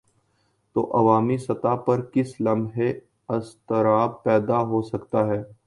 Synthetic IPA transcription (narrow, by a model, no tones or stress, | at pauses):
t̪o̰ːʔɐʋaːmisɐt̪apɐɾkɪslɐmɦe | ɐst̪əɾaːbpɛːd̪aɦoːsɐkt̪aɦɛː